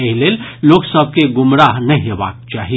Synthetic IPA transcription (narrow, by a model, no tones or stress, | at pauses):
eɦleːlloːksəb̚ʱkeɡʊmɾaːɦnɐɦĩɦeʋa̰ːk̚t͡ʃaːɦi